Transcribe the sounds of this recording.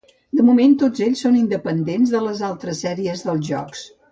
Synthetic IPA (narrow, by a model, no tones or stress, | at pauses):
d̪əmument̪od͡zeʎʲsonind̪əpənd̪enzðələzalˠt̪ɾəsːɛɾiəzðəlˠʒɔ̰ks